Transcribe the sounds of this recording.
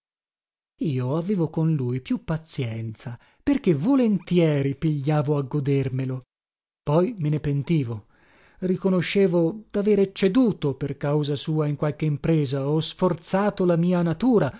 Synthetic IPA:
iːoaveːvokonlujpjupːat̪sjɛnt̪sa | perkevolent̪jɛːɾipiʎːaːvoaɡːod̪ermelo | pɔjmenepent̪iːvo | rikonoʃːeːvod̪̥aveːɾet͡ʃed̪uːt̪operkawzasuːaiŋkwalk̟eimpɾeːzaɔsfort̪saːt̪olamiːanat̪uːɾa

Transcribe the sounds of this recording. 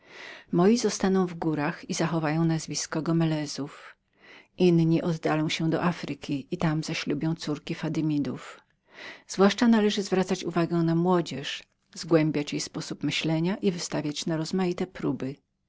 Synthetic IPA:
mɔjizɔst̪anɔ̃w̃vɡuɾaxizaxɔvajɔ̃w̃nazvʲiskɔɡɔmɛlɛz̥uf | ʔinɲiʔɔd̪ːalɔ̃w̃ɕɛd̪ɔ̰ʔafɾɘkʲiit̪amzaɕlubʲjɔ̃w̃t̪suɾkʲifad̪ɘmʲid̪uf | z̥vwaʂt͡ʂanalɛʐɘzvɾat̪sat͡ɕuvaɡɛ̃namwɔd͡ʑɛʂ | zɡwɛmbʲjat͡ɕjejspɔsupmɘɕlɛɲaʔivɘst̪avʲjat͡ɕnaɾɔzmajit̪ɛpɾubɘ

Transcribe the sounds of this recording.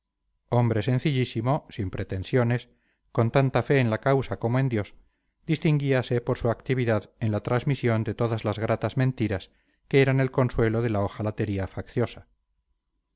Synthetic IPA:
o̞mbɾe̞se̞n̟θiʎisimo̞simpɾe̞t̪e̞nsjone̞s | ko̞nt̪ant̪afe̞ːnlakawsako̞moẽ̞nd̪jo̞s | d̪ist̪iŋɡiase̞po̞ɾsuakt̪iβiðaðe̞nlat̪ɾazmisjo̞nd̪e̞t̪o̞ðazlazɣ̞ɾat̪azmẽnt̪iɾas | keeɾane̞lko̞nswe̞loðe̞laoxalat̪e̞ɾiafakθjo̞sḁ

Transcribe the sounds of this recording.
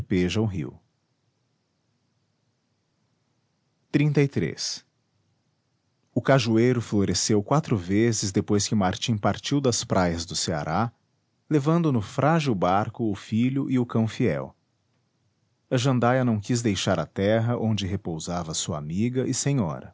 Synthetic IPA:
peʒɐʊɦḭw | t̪ɾĩnt̪ɐit̪ɾḛs | ʊkaʒuejɾʊfloɾesewkwat̪ɾʊvezɪzd̪epojskɪmaɾt͡ʃĩpaɾt͡ʃiwd̪ɐspɾʔajɐzd̪ʊsea̰ɾʔa | levɐ̃nd̪ʊnʊfɾʔaʒiwbaɾkʊːfiʎʊʔɪʊkɐ̃w̃fiɛ̰w | ɐʒɐ̃nd̪ajɐnɐ̃w̃kizd̪ejʃaɾɐt̪ɛɦɐʔõnd͡ʒɪɦepowzavɐsuɐamiɡɐʔɪsẽɲɔ̰ɾɐ̰

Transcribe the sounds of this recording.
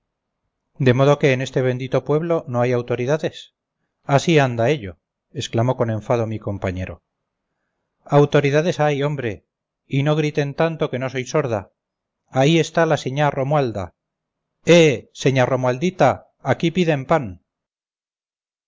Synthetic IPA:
d̪e̞mo̞ð̞o̞ke̞ːne̞st̪e̞β̞e̞nd̪it̪o̞pwe̞βlo̞no̞ajawt̪o̞ɾiðaðe̞s | asiand̪ae̞ʎo̞̰ | esklamo̞ko̞nẽ̞ɱfað̞o̞miko̞mpaɲe̞ɾo̞̰ | awt̪o̞ɾiðaðe̞sajo̞mbɾe̞ | ino̞ɣ̞ɾit̪e̞nt̪ant̪o̞ke̞no̞so̞jso̞ɾð̞aː | ie̞st̪alaseɲaro̞mwald̪a̰ | ese̞ɲaro̞mwald̪it̪aː | kipiðempan

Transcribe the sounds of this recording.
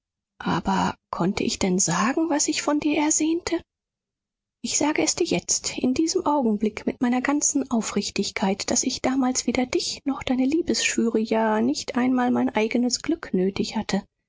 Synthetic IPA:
ʔa̰ːbɐkʰɔntʰəʔɪçd̥ɛnzaːɡŋ̩vasɪçfɔndiːɐʔɛɐvɛːntʰə | ʔɪçz̥aːɡəɛsd̥iːɐjɛt͡stʔɪ̰ndiːzəmʔaʊɡŋ̩blɪkmɪtmaɪnɐɡant͡sn̩ʔaʊfʁ̥ɪçtɪçkʰaɪtd̥asɪçd̥aːmaːlsv̥eːdɐdɪçnɔχd̥aɪnəliːbəsʃyːʁəjaːnɪçtʔaɪnmaːlmaɪnʔaɪɡənəsɡ̥lʏknøːtɪçhatʰə

